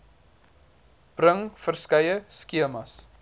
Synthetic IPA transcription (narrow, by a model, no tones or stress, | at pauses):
b̥rəŋfərskɐjəskiəmɐs